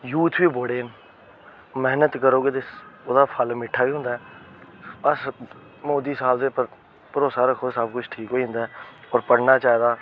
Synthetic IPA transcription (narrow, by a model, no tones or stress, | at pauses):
juːt̪ʰʋiːboːɽeːn | mɛɦnət̪kəɾoːɡet̪esoːd̪aːpʰəlmɪʈʰːaːiːɦʊ̃nd̪aːɛː | bəs | moːd̪iːsaːbd̪eːpəɾ | pəɾoːsaːɾəkʰːoːesəbkʊt͡ʃʰʈʰiːkɦoːiːɦʊ̃nd̪aɛːɔːɾpəɽnaːt͡ʃaːɦed̪aː